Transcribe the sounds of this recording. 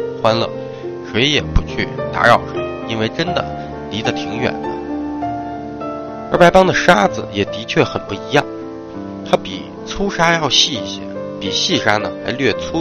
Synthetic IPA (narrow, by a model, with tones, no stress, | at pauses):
xwa˥nlə̰˧ | ʂwe˧˥ɪjɛ˨˩pu˧˥t͡ɕʰy̰˥˩t̪a̰˧˥ɻɑ˥˩ʊʂwe˧˥ɪi˥nwe˥˩ɪʈ͡ʂə˥nd̪ə̰˨ | li˧˥d̪ə˧t̪ʰi˧˥ŋɥɛ̰˨˩nlə˦ | ə˞˧˥pa˥˧˥ɪpɑ˥ŋd̪ə˨ʂa˥d͡zɹ̩˨jɛ˨˩t̪i˧˥t͡ɕʰɥɛ˥˩xə˨˩npu˥˩i˧˥jɑ˥˩ŋ | t̪ʰa˥pi˨˩ | t͡sʰu˥ʂa˥jɑ˥˧ʊɕi˥˩i˧˩ɕjɛ̰˥pi˨˩ɕi˥˩ʂa˥nə˨la˧˥ɪlɥɛ˥˧˩t͡sʰu˥